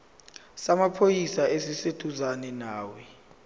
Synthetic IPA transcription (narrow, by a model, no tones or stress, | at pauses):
samapʰojisaʔesised̥ʰʱuzanɛnaːwɛ